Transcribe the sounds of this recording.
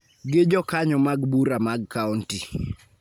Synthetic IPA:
ɡɪd͡ʒɔkaɲɔmaɡbuɾamaɡkaunti

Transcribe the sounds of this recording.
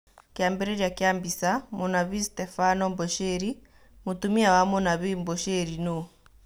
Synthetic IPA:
kjaːmbɛɾɛɾjakjaːmbisamunaβistɛfanɔmbɔʃɛɾi | mutumiawamɔnaβimbɔʃɛɾino

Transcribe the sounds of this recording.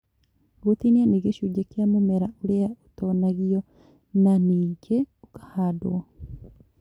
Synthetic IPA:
ɣot̪inianiɣeʃuɟekjamumeɾauɾeautonaɣiɔ | naniːɟeukḁhadowa

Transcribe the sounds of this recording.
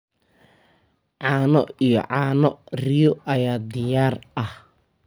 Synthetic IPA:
ʕɑːnɔijɔ̰ʕɑːnɔrɪjɔʔɐjaːd̪ɪjaːrʔɐh

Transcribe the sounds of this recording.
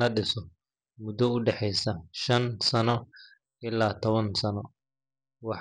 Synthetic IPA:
ɐɖɪsɔ | mʊd̪ɔʊɖɛħɛjsɐʃɐnsɐnɔ | ɪlaːt̪ʰɔβɐnsɐnɔ | wɑħ

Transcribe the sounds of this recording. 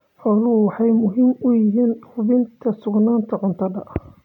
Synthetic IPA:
ħɔːlʊʊwɑħɑjmʊɦiːmʊjɪɦiːnhʊβɪnt̪ʰɐsʊɡnaːnt̪ʰɐʕʊnt̪ʰɐdɐʔɐ

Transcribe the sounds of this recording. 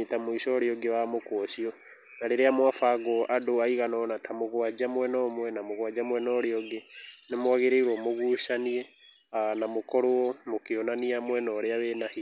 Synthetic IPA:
tamoiʃɔɾeɔɡewamokɔʃiɔ | naɾeɾeamwafaɡɔʔadoaiɣanɔnatʰamoɣwad͡ʒamwɛnɔːmwɛnamoɣwad͡ʒamwɛnɔɾeɔɡenemwaɣeɾeiɾwomoɣuʃaniɛ | anamokɔɾoɔmokeɔnaniamwɛnɔɾeaβenahi

